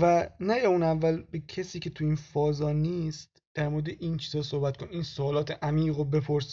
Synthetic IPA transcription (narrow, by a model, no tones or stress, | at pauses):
vænæjɒːunævːælbecʰesiːcʰet̪ʰuinfɒːzɒːniːst̪ | d̪̥æɾmoɾed̪eʔint͡ʃʰiːzɒːsohbæt̪̚kʰoninsoɒːlɒːt̪ʰeʔæmiːɣobe̞pʰoɾs